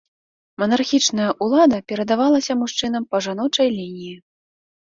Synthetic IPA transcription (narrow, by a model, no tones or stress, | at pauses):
mɐnarxʲit͡ʂnɐjɐʔulˠad̪ɐpʲɛɾɐd̪avalˠɐsʲɐmuʂt͡ʂɨn̪ɐmpɐʐan̪ɔt͡ʂɐjlʲinʲiji